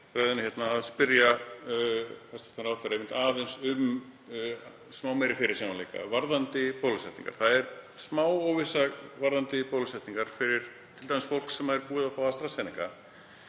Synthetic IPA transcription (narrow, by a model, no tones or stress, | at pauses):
ɾaːjðɪnɪçjɛt̪naːðspɪɾja | θɛst̪ɛ̥t̪aɾawfɛɾaɛmɪnt̪aːðensʏm | smaːwmɛjɾɪfɪɾɪɾ̥saːmanlḛjka̰vaɾðant̪ɪpowlʏsɛht̪ḭ̃ŋka̰ɾ̥θaðɛɾsmaːwɔwvɪsavaɾðant̪ɪpoːwlʏsɛht̪niŋkaɾ̥fɪɾɪɾ̥ | t̪ʰɪlt̪ajmɪsfowl̥ksɛmːaɛɾpuːðafaːwast̪ɾasɛːnɪŋka